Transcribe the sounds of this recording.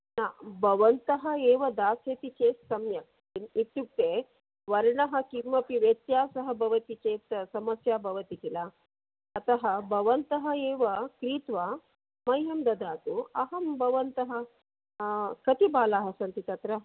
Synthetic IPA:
naːbʱɐʋɐnt̪ɐɦɐeːʋɐd̪aːseːt̪it͡ʃeːssɐmjɐ | init̪juk̚t̪eː | ʋɐɾɐɳɐɦɐ̆kiɾmɐpiʋet̪jaːsɐɦɐbʱɐʋɐt̪it͡ʃeːt̪sɐmɐsjaːbʱɐʋɐt̪ikilaː | t̪ɐɦɐbʱɐʋɐnt̪ɐɦɐeːʋɐkɾiːt̪ʋa | mɐjɦɐmd̪ɐd̪aːt̪uɐɦɐmbʱɐʋɐnt̪ɐɦɐ | kɐt̪ibaːlaːɦɐsɐnt̪it̪ɐt̪ɾɐ

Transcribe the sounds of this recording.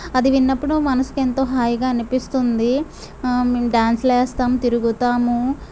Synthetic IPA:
ɐd̪iʋinːɐpːuɽumɐnɐsu̥kent̪o̞ːɦaːjiɡaːɐnipist̪und̪i | ɖaːnslɛːst̪aːmt̪iɾuɡut̪aːmu

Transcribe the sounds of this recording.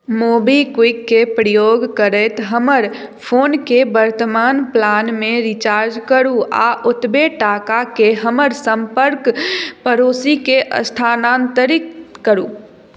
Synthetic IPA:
mobikwikːepɾəjoɡkəɾɛt̪ɦəməɾ | pʰoːnkebəɾt̪əmaːnplanmeɾit͡ʃaːɾd͡ʒkəɾua̰ʔut̪beʈakakeɦəməɾsəmpəɾkpəɾoːsikeʔə̰st̪ʰanant̪əɾikːəɾu

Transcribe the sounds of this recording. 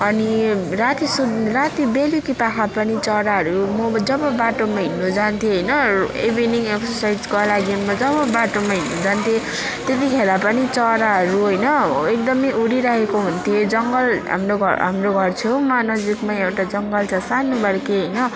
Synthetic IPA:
ʌnirat̪isud̪rat̪ibelikipakʰapʌnit͡sʌɾaɦʌɾumʌd͡zʌbʌbaʈomaɦinːud͡zant̪ʰjeɦʌjnʌḛbiniŋeksʌsajd͡zkolaɡimʌd͡zʌβʌbaʈomaɦinːud͡zant̪ʰje | t̪et̪ikʰelapʌnit͡sʌɾaɦʌɾuɦʌjnʌek̚d̪ʌmʌjʔuɽiɾʌɦekoɦunt̪ʰijed͡zʌŋɡʌlɦa̰mroɡʱʌ̰ɦa̰mroɡʱʌrt͡sʰomanʌd͡zikmaewʈad͡zʌŋɡʌlt͡sʰʌsanubʌɾkeɦʌjnʌ

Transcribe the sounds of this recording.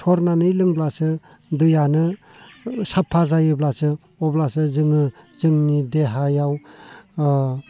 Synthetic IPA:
sʰɔɾnanɯilɯŋblasɯ | dɯjanɯ | sapʰːazajɯblasɯ | ɔblasɯzɯŋɯzɯŋnideɦajaw

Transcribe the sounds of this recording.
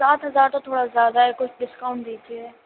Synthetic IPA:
saːt̪ɦəzaːɾt̪ot̪ʰoːɽazjaːd̪aɦɛkʊt͡ʃʰɖɪskaʊɳʈ̚d̪iːd͡ʒiɛː

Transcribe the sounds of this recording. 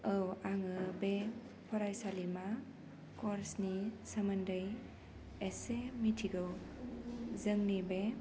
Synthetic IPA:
əwaŋɯbe | pʰɔɾajsalima | kɔɾsnisəməndɯj | esemitʰiɡɯw | zɯŋnibe

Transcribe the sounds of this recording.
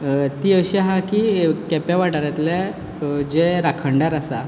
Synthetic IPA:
t̪iəwɕiɦakikɛpjaʋaʈaɾat̪la | d͡ʑeɾakʰəɳɖaɾasa

